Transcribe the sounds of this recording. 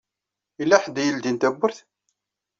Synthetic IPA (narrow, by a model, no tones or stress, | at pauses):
ilːaħəd̪æjəld̪int̪æbːʊɾθ